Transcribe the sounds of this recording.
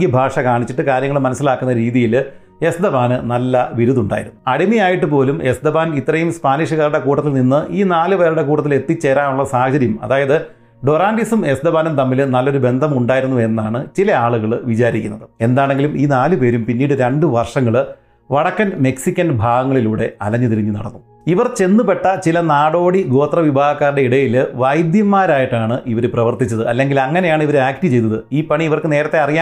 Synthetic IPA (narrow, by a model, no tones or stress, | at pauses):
ɡɐbʱaːʂɐkaːɳit͡ɕːiʈːɨkaːɾjɐŋːɐɭmɐnɐsːilaːkːunːɐɾiːðijil | e̞sd̪ɐbaːnɨnɐlːɐʋiɾuðuɳɖa̰ːjḭɾunːuɐɽimijaːjiʈːɨpo̞ːlume̞sd̪ɐbaːnit̪ːrɐjumspaːniʂɐɣɐɾuɽe̞kuːʈːɐt̪ːilninːɨʔiːnaːlɨpe̞ːɾuɽe̞kuːʈɐt̪ːile̞t̪ːit͡ɕːe̞ɾaːnuɭːɐsaːhɐt͡ɕɐɾjɐmɐ̰ðaːjɐðɨ | ɖo̞ɾaːndisume̞sd̪ɐbaːnumt̪ɐmːilnɐlːo̞ɾube̞nd̪ʱɐmuɳɖaːjiɾunːue̞nːaːɳɨt͡ɕilɐaːɭuɣɐɭʋit͡ɕaːɾikʲːunːɐðɨe̞nd̪aːɳe̞ŋɡilumiːnaːlupe̞ːɾumpinːiːɽɨɾɐɳɖɨʋɐrʂɐŋːɐɭ | ʋɐɽɐkːɐnme̞ksikʲːɐnbʱaːɣɐŋːɐɭiluːɽe̞ɐlɐɲːɐt̪iɾiɲːɨnɐ̰ɽɐnːu | iʋɐrt͡ɕe̞nːupe̞ʈːɐt͡ɕilɐnaːɽo̞ːɽiɡo̞ːt̪rɐʋibʱaːɣɐkːaːɾɽe̞iɽɐjilʋɐjd̪jɐmːaːɾaːjiʈːaːɳɨʔiʋɐɾɨprɐʋɐrt̪it͡ɕːɐðɨɐlːe̞ŋɡilɐŋːɐnejaːɳɨiʋɐɾɨaːk̚ʈit͡ɕe̞jt̪ɐðɨiːpɐɳiːʋɐrkɨne̞ːɾɐt̪ːe̞ɐrijaː